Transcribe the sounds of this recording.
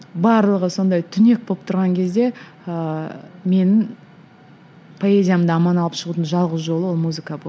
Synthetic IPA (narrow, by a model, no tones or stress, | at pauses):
bɑɾlˠəʁəso̞nd̪ɑjt̪ʰʏne̞k̚boəp̚t̪ʰʊɾʁɑŋkʲʰe̞zd̪e̞ | əme̞nɪŋ | pʰo̞e̞zʲijamənd̪ɑːmɑnɑlˠəpʃəʁut̪ənʒɑlˠʁəzʒo̞lˠəwo̞lˠmuzɨkabo